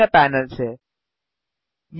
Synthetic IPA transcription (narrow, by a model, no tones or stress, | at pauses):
apɛːnəlse | j